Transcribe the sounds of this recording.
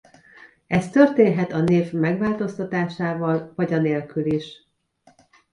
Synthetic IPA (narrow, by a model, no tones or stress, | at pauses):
ɛst̪ørt̪eːnɦɛt̪ɒneːvmɛɡʋaːlt̪o̞st̪ɒt̪aːʃaːvɒlvɒɟɒneːlkyliʃ